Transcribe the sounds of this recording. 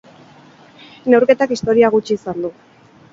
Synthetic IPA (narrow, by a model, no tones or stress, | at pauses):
ne̞wɾke̞t̪akist̪o̞ɾiaɣ̞ut͡ʃiːsand̪u